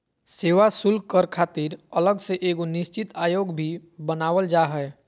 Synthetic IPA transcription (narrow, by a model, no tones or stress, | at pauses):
seːʋasʊlkəɾkʰaːt̪iɾələɡseʔeːɡonɪst͡ʃɪt̪aːjoːɡbʱibənaːʋəld͡ʒaɦɛɛ